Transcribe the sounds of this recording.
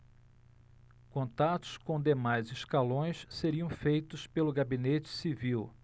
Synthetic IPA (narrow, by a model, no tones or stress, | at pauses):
kõnt̪at̪ʊ̥skõd̪emajzɪskalõj̃sseɾiɐ̃w̃fejt̪ʊspelʊɡabinet͡ʃɪ̥siviw